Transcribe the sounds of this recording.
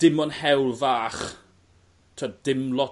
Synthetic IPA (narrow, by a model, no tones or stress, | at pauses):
d̥ɪmɔnhɛwlˠvaːχ | tʰədɪmlˠɔ